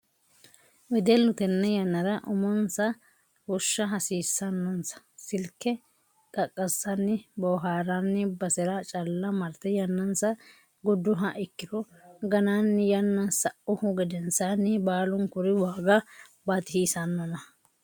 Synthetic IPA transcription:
wɪd̪ɛlːʊt̪ɛnːɛjɐnːɐdɐʔʊmɔnsɐ | hʊʃːɐɦɐsiːsːɐnːɔnsɐ̥sɪlkːɛ | kʼɐkʼːɐsːɐnːɪbɔɦaːɾanːɪbɐsɛɾɐt͡ʃʼɐlːɐmɐɾt̪ɛjɐnːɐnsɐ | ɡʊd̪ːʊɦɐʔɪkːɪd̪ɔ | ɡɐnanːɪjɐnːɐsɐʔʊhʊɡɛd̪ɛnsanːɪbaːlʊŋkʊɾɪwaːɡɐbɐt̪ɪhiːsɐnːɔnɐ

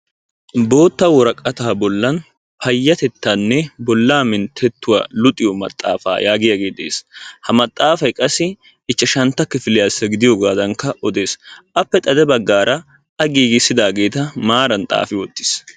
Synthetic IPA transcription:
bo̞ːt̪ːɐwɔɾɐkʼːɐt̪aːbɔlːɐn | pʰɐjːɐt̪ɛt̪ːanːɛbɔlːaːmɪnt̪ʰɛt̪ːʊwa̰lʊt̪ʼɪjɔmɐ̰t̪ʼːa̰ːfa̰ːjaːɡɪjɐɡeːd̪ḛːshɐmɐt̪ʼːaːfɐjkʼɐsɪ | ɪt͡ʃːɐʃɐnt̪ːɐkːɪfɪlɪjasːɐɡɪd̪ɪjɔɡaːd̪ɐŋkɐʔɔd̪e̞ːsʔɐpːɛt̪ʼɐd̪ɛbɐɡːaːɾɐ | ɐɡiːɡɪsːɪd̪aːɡe̞ːt̪ɐmaːɾɐnt̪ʼa̰ːfɪwɔt̪ːɪ̥s

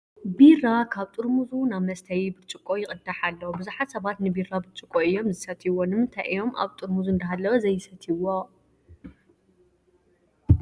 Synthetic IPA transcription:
birakʰaβt̪ʼɨɾmuzunaβmɐst̪ʰɐjbɨɾt͡ʃʼɨkʼojɪkʼɨd̪aħalːɐwobɨzuħat̪sɐβat̪nɨbirabɨɾt͡ʃʼɨkʼoɨjːo̞mzɨsɐt̪ʰiwonɨmɨnt̪ʰajʔɨ̰jo̞mʔa̰βt̪ʼɨɾmuzuɨnd̪ɐɦalːɐwɐzɐjːɪsɐt̪ʰiwo

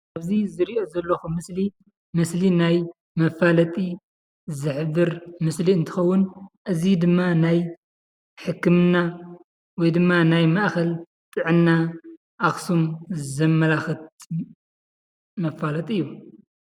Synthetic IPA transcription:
aβzizɨɾiʔo̞zɐlːɐxumɨsli | mɨslinaj | mɐfalɐt̪ʼi | zɨħbɨɾmɨsliɨnt̪ʰɨ̥xɐwːʊnʔɨzid̪ɨmːanaj | ħɨkːɨmɨnːa | wɔjd̪ɨmːanajmaʔkɐl | t̪ʼɨʕɨnːa | ʔaxsumzɐmːɐlaxɨt̪ | mɐfalɐt̪ʼɨjːu

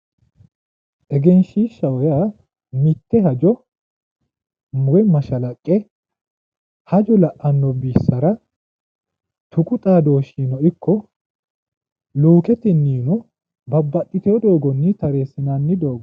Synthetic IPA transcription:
ʔɛɡɛnʃiːʃːɐwɔjaː | mɪt̪ːɛɦɐd͡ʒɔ | mʊɡɛmɐʃɐlɐkʼːɛ | hɐd͡ʒɔlɐʔɐnːɔbiːsːɐɾɐ | t̪ʊkʼʊt̪ʼaːd̪o̞ːʃiːnɔɪkːɔ | luːkɛt̪ɪnːiːnɔ | bɐbːɐt̪ʼːɪt̪ɛjɔd̪o̞ːɡɔnːɪt̪ɐɾeːsɪnanːɪd̪o̞ːɡɔ

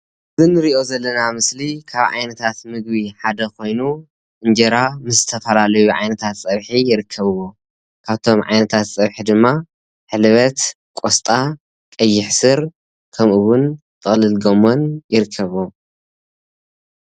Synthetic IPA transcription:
ɨzɨnɨɾiʔo̞zɐlːɐnamɨslikʰaβʕa̰jnɐt̪ʰat̪mɨɡ̚biħad̪ɐkʰo̞jnu | ʔɨnd͡ʒɐɾamɨszɨt̪ʰɐfɐlalɐjuʕa̰jnɐt̪ʰat̪sʼɐβħijɪɾɨkʰːɐβɨwo | kʰaβt̪ʰo̞mʕa̰jnɐt̪ʰat̪sʼɐβħid̪ɨmːa | ħɨlβɐt̪ | kʼost̪ʼa | kʼɐjːɪħsɨɾ | kʰɐmʔɨwʊn | t̪ʼɨxʼlɨlɡomo̞njɪɾɨkʰːɐβu

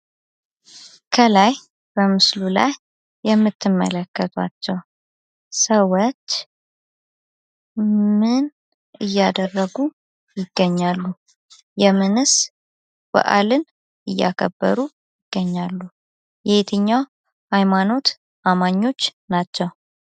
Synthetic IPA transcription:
kʰəlaj | b̥əmɨslula̰jː | ɛmːɨt̪ʰːɨmːə̰ləkːət̪ʰwa̰t͡ʃːɛw | səwot͡ʃː | mɨn | ɨjːad̪ərːəɡu | jɪɡ̥ːəɲːalːu | jɛmɨnɨs | b̥ə̰ʔa̰lɨn | ʔɨjːa̰kʰəbːə̰ɾu | jɪɡ̥ːəɲːalːu | jɛhet̪ʰɨɲːaw | hajmano̞t̪ | ʔamaɲːo̞t͡ʃːnat͡ʃːɛw

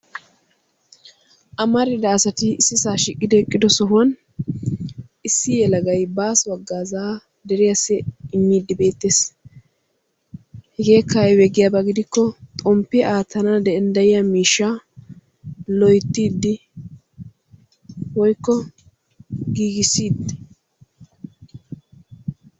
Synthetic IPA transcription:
ʔɐmɐɾɪd̪ɐːsɐt̪ɪːsːɪsaːʃɪkʼːɪd̪ɛkʼːɪd̪ɔsɔɦʊɐn | ɪsːɪjɛlɐɡɐjbaːswɐɡːaːzaː | d̪ɛɾɪjɐsːɛɪmːiːd̪ːɪbe̞ːt̪ːeːs | hɛɡeːkʰːɐjwɛɡɪjabɐɡɪd̪ɪkːɔt̪ʼɔmpːɪaːt̪ʰɐnɐd̪ɛɛnd̪ɐjɪjɐmiːʃːa | lɔjt̪ːiːd̪ːɪ | wɔjkːɔ | ɡiːɡɪsiːd̪

